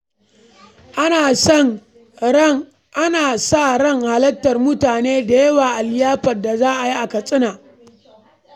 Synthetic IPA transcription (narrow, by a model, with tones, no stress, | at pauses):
ʔ | ʔa˦naː˨sa˦˨ɾɐ˦˨ŋha˨lɐ˦tːɐ˨rmʊ˦taː˨neː˦da˨jɐ˦waː˨ʔa˨ljaː˦ɸɐ˨da˨zaː˦ʔa˨ji˦ʔa˨kɐ˨sʼɪ˦naː˨